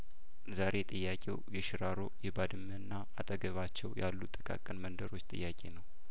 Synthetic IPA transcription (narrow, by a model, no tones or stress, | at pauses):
zaɾe̞t̪ʼɨjːakʼewjɛʃɪɾaɾo̞̰jɛbad̪ɨmːənːa | at̪ʼəɡəβat͡ʃːɛwja̰lːut̪ʼːɨkʼa̰kʼːənmənd̪əɾo̞t͡ʃːt̪ʼɨ̰jːakʼe̞̰nəw